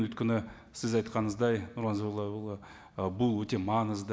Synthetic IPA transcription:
nwɵt̪̚kʲɪnɪ | sɪzɑjt̪qɑnəzd̪ɑjnʊɾlˠɑnzolˠːɑbolˠə | bʊlˠwɵt̪e̞mɑnəzd̪ə

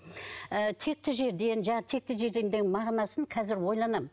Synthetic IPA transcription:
ət̪ʰe̞k̚t̪ɪʒe̞ɾd̪e̞nʒɑɴt̪ʰe̞k̚t̪ɪʒe̞ɾd̪e̞nd̪enmɑʁnɑsənqʰɑzɪɾwo̞jlˠɑnɑm

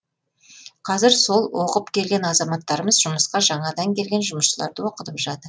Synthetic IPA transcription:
qʰɑzɪɾso̞lˠwo̞qəpkʲʰe̞lɡʲenɑzɑmɑt̪ːɑɾəməzʒʊməsqɑʒɑɴɑd̪ɑŋkʲʰe̞lɡʲe̞nʒʊməsʃəlˠɑ̰ɾd̪əwo̞qət̪əpʒɑt̪əɾ

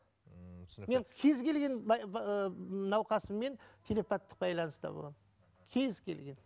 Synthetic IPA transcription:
me̞nkʲʰe̞zkʲe̞lɡʲe̞n | nɑwqɑsəmːe̞nt̪ʲʰe̞le̞pat̪ːə̥q̚bɑjlˠɑnəst̪ɑ̰bə̰lˠʁɑn | kʲʰe̞zkʲʰe̞̰lɡʲe̞n

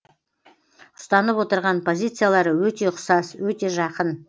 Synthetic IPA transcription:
ʊst̪ɑnəpwo̞t̪əɾʁɑnpʰo̞zʲijt̪sɨjalˠɑɾəwɵt̪e̞ʊqsɑswɵt̪e̞ʒɑqən

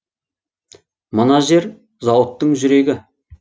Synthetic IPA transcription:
mənɑʒe̞ɾ | zɑwət̪ːəɴʒʏɾe̞ɡʲɪ

